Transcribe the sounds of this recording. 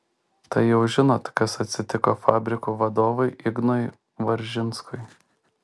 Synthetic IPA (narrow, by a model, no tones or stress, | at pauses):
t̪ɐɪjɛʊʒʲɪnoːt̪kɐsɐt̪ʲsʲɪt̪ʲɪkoːfɑːbʲɾʲɪkuːʋɐd̪oːʋɐɪʔɪɡnoj | ʋɐɾʲʒʲɪnskʊɪ